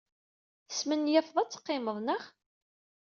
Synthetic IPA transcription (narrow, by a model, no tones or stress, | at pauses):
θəsmənjæfðˤɑt͡sːə̥qːɪməðˤnəχ